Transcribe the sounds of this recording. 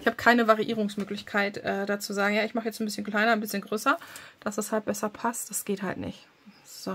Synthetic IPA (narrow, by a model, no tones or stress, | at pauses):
ʔɪçhaːbəkʰaɪnəvaʁiʔiːʁ̞ʊŋsmøːklɪçkʰaɪtʔɛːdaːt͡suzaːɡŋ̩jaːɪçmaχəjɛt͡sn̩bɪsçənkl̥aɪnɐnbɪsçənɡʁøːsɐd̥asd̥ashalt̚b̥ɛsɐpʰast̚d̥asɡ̥eːtha̰ltnɪ̰ç | z̥o